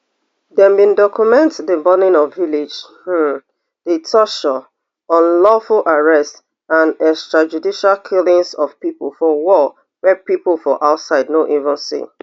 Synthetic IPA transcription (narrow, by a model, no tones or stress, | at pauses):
dɛ̃mbĩndɔkjumɛ̃ntdəbɔnĩnɔvːilid͡ʒ | h̩ | d̥etʰɔʃɔ | ɔ̃nlɔfulʔaɹɛst | ãnɛkstɹad͡ʒudiʃalkʰilĩŋsɔv̥pipolˠfɔwɔ | wɛpiplfɔʔaʊtsaɪdnoʔivə̃nsḭ